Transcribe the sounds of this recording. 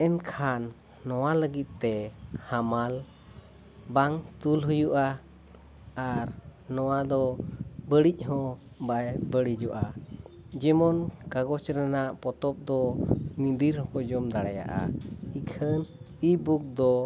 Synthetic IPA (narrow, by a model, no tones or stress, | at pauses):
ɛnkʰanː | ɔwaləɡit̪̚t̪ɛhamal | baŋt̪ulɦujuʔa | aɾnɔwad̪ɔbəɽic̚ˀɦɔ̃ | bajbəɽid͡ʒɔʔa | d͡ʒɛmɔnkaɡɔt͡ʃɾɛnaʔpɔt̪ɔp̚d̪ɔmĩd̪iɾhɔ̃kɔd͡ʒɔmd̪aɽaja̰ʔa̰ikʰən | ibuk̚d̪ɔ